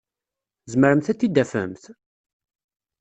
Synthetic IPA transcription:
zməɾəmθæt͡sːid̪ːæfə̰mθ

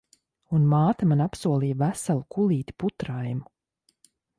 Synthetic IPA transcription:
unmaːt̪amanapsuɔlˠijavæsalˠukʰulˠiːt̪i̥put̪ɾajmu

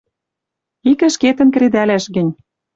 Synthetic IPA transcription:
ikə̆ʃket̪ə̆nk̆ɾed̪ælæʃɣɘ̆nʲ

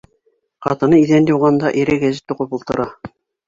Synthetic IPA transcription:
qɑt̪ɤ̆nɤiðænd̪uwʁɑnd̪ɑʔiɾɘɡæzɘ̆t̪ːuqɤpŏlˠt̪ɤ̆ɾɑ

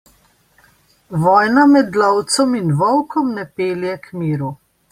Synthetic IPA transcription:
ʋɔːjnamɛd̪lɔwt̪sɔminʋɔwkɔmnɛpeːljɛkmiːɾu

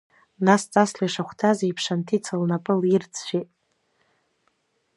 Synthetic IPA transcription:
nast͡sʼaslajʂaχʷtʰazeipʰʂantʰit͡sʰalnapʼɨlirt͡sʰʃʷᶣetʼ

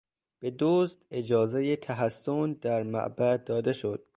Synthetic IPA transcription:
b̥e̞d̪ozt̪ed͡ʒɒːzejet̪ʰæɦæsːond̪æɾmæ̰ʔbæd̪ːɒːd̪eʃod̪̥̚

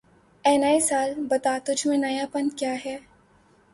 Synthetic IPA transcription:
ɛːnaːisaːlbɐt̪at̪ʊd͡ʒʱmẽnɐjapɐnkjaːɦɛː

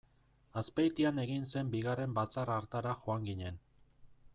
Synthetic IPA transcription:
aspejt̪iane̞ɣinse̞mbiɣare̞mbat͡saraɾt̪aɾaxo̞aŋɡiɲe̞n

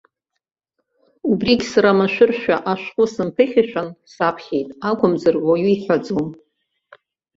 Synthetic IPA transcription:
ubriɡʲsaɾamaʃʷᶣɨrʃᶣaʔaʃqʷʼʊsɨmpʰɨχʲɪʃᶣansapʰχʲe̞jtʼakʷʰʊmzarwaɥiiħʷad͡zom

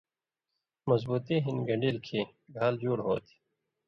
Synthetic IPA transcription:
mɐzbuːt̪iɦinɡɐɳɖilkʰiɡʱaːld͡ʑuːɽɦo̰ːt̪ʰi̥

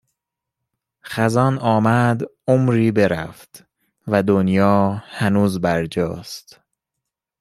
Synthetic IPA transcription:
χæzɒːnɒːmæd̪omɾiːbe̞ɾæ̰ft̪ | væd̪onjɒːhænuːzbæɾd͡ʒɒ̰ːst̪

